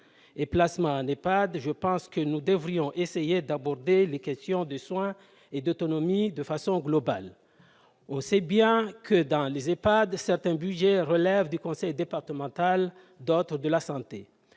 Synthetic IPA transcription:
eplasmɑ̃ɛ̃nepad̪ʒəpɑ̃skənud̪əvʁijɔ̃ʔesejed̪abɔʁd̪elekʲɛst̪jɔ̃d̪əswɛ̃ | ed̪ot̪ɔnɔmid̪əfasɔ̃ɡlɔba̰l | ɔ̃sɛbjɛ̃kəd̪ɑ̃lezepad̪sɛʁt̪ɛ̃byʒɛʁəlɛvd̪ykɔ̃sɛjd̪epaʁt̪əmɑ̃t̪al | d̪ot̪χəd̪əlasɑ̃t̪e

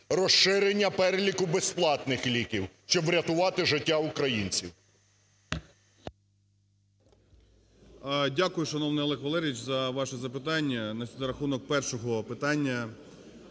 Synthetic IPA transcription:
rɔʃɪɾenʲːɐpɛɾelʲikʊbesplˠɑt̪nɪxlʲikʲiwʃt͡ʃɔbʋɾʲɐt̪ʊʋɑt̪ɪʒɪtʲːaʊkɾɐjinʲt͡sʲiw | dʲakʊjʊʃɐnɔwnɪjɔlˠɛxʋɐlˠɛɾʲʋit͡ʃʲzɐʋɑʃɛzɐpɪt̪ɑnʲːɐnɐsʲd̪ɐɾɐxunɔk̚pɛrʃɔɦɔpɪt̪ɑnʲːɐ

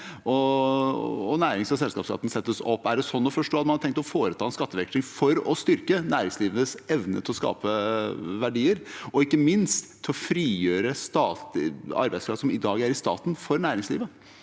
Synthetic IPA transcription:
ɔ | ɔnæːɾɪŋsɔsɛlskɑːpskɑ̰t̪ːn̩sɛt̪ːəsɔpːæɖɛsɔnːɔfɔʂʈoːɑmɑnt̪ʰɛŋkt̪ɔfoːɾət̪ʰɑːɛnskɑt̪ːəʋɛkt̪ɪŋfɔɾɔst̪ʏɾkənæːɾɪŋsliːʋənəsɛʋnə̰t̪ʰɪlɔskɑ̰ːpəʋæɖiːəɾɔɪkːəmɪnst̪ʰːɪlɔfɾiːjøːɾəst̪ɑːt̪ɑ̰ɾbæɪskʰɾɑft̪sɔmɪd̪ɑːɡæɾɪst̪ɑ̰ːt̪nfɔɾnæːɾɪŋslḭːʋə

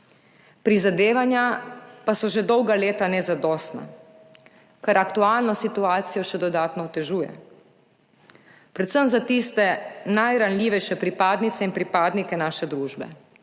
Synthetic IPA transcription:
pɾizad̪eːʋanjapasɔʒed̪ɔwɡaleːt̪anɛzad̪ɔːst̪na̰ | kaɾakt̪uaːlnɔsit̪uaːt̪sijɔʃɛd̪ɔd̪aːt̪nɔwt̪ɛʒuːjɛ̰ | pɾɛt̪səmzat̪ist̪ɛnajɾanlʲiːʋɛjʃɛpɾipaːd̪nit̪sɛinpɾipaːd̪nikɛnaːʃɛd̪ɾuːʒbɛ̰

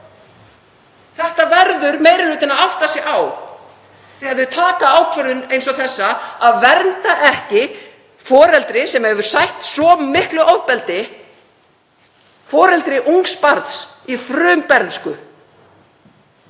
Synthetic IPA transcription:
θɛht̪avɛɾðʏɾmeːjɾɪlʏːt̪ɪnaðaht̪asɪʔaːw | θɪhɛvðʏt̪ʰaːkaaːwkʰvœɾðʏnejns̬ɔθɛsːaaðvɛɾnt̪aʔɛhcɪ | fɔːɾɛlt̪ɾɪsɛmɛvʏɾ̥sajht̪sɔmɪhklʏʔawðpɛlt̪ɪ | fɔːɾɛlt̪ɾɪʔuŋkspaɾt̪s | ifɾʏːmpɛɾnskʏ

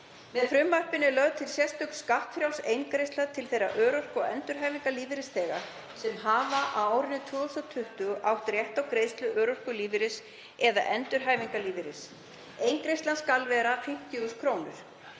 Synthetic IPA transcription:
vɛðfɾʏmːar̥pɪnɪlœɣðt̪ʰɪlsjɛst̪ʏkskaht̪fɾjawlsejŋkɾejst̪laðt̪ʰɪlθejɾa̰ʔœːɾɔr̥kɔɛnt̪ʏɾ̥ɦaːjviŋkaliːvɪɾɪsθɛːɣa̰ | sɛmɦaːvaʔawaːwɾɪnɪt̪ʰvœːɣɔst̪at̪ʰʏht̪ʏɣʔawht̪ɾjɛht̪awkɾeːðst̪lʏʔœːɾɔr̥kʏliːvɪɾɪs | ɛða̰ʔɛnt̪ʏɾ̥ɦaːjviŋkaliːvɪɾɪs | ejŋkɾejst̪lanskalvɛːɾafejm̥t̪jʏuskʰɾoːwnʏ̰ɾ̥

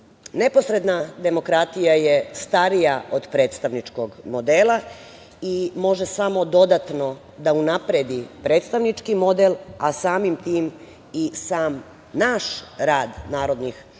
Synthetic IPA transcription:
ne̞po̞sɾe̞d̪nad̪e̞mo̞kɾat̪ijajest̪aɾijaod̪pɾe̞ːt̪st̪aʋnit͡ʃko̞ɡmo̞d̪eːla | imo̞ʒesamo̞d̪o̞d̪at̪no̞ | d̪aunapɾed̪ipɾe̞ːt̪st̪aʋnit͡ʃkimo̞d̪elasaːmimt̪iːm | isaːm | naʃɾaːd̪naːɾo̞d̪nix

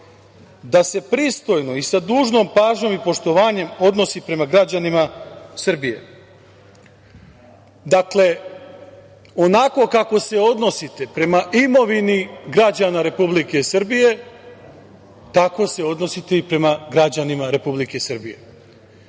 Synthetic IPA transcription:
d̪ase̞pɾiːst̪o̞jno̞isad̪uːʒno̞ːmpaːʒɲo̞mipo̞ʃt̪o̞ʋaːɲe̞mo̞d̪no̞sipɾe̞maɡɾad͡ʑanimasr̩bije̞̰ | d̪akle̞ | o̞nako̞kako̞se̞o̞d̪no̞sit̪e̞pɾe̞maʔimo̞ʋiniɡɾad͡ʑanaɾe̞publike̞sɨr̩bije̞ | t̪ako̞se̞o̞d̪no̞sit̪e̞ipɾe̞maɡɾad͡ʑanimaɾe̞publike̞srbije̞̰

